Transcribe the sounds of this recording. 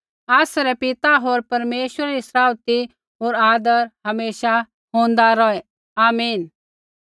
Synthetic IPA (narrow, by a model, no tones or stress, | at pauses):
aːsɾɛpɪt̪aɦoːɾpɐɾmeːʃwəɾaɾisɾaːwt̪i | ɦoːɾaːd̪əɾɦɐmeːʃa | ɦõːnd̪aɾɔɛ | aːmiːn